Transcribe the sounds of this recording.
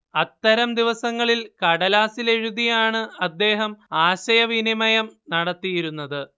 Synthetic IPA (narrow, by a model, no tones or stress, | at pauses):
ɐt̪ːɐɾɐmd̪iʋɐsɐŋːɐɭilkɐɽɐlaːsile̞ɻuðijaːɳɨɐd̪ːe̞ːɦɐmaːɕɐjɐʋinimɐjɐmnɐɽɐt̪ːijiɾunːɐðɨ